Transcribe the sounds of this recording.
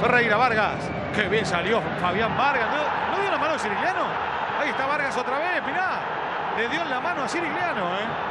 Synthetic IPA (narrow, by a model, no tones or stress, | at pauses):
rejɾaβaɾɣas | keβjensaljo | faβjambaɾɣano | noðjolamanoasiɾiljano | ajeht̪aβaɾɣas̬ot̪ɾaβesmiɾa | leðjolamanoasiɾiljanoe